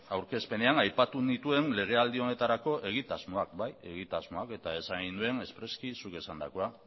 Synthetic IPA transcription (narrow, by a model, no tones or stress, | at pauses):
awɾke̞spe̞ne̞anajpat̪unit̪ue̞nle̞ɣ̞e̞ald̪io̞ne̞t̪aɾako̞ʔe̞ɣ̞it̪azmo̞ak̚baje̞ɣ̞it̪azmo̞ake̞t̪ae̞saɣind̪ue̞ne̞spɾe̞skisuke̞sand̪a̰koa